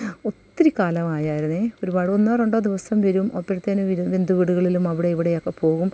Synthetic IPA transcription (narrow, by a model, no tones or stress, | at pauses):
o̞t̪ːiɾikːaːlɐmaːjaːjiɾunːɨo̞ɾubaːɽonːɐːreɳɖoːd̪iʋɐsɐmʋɐɾumopːɐɾt̪ːeːnuʋend̪ʱuʋiɽuɣɐɭilumɐʋiɽe̞iʋiɽe̞jo̞kːe̞po̞ːɣum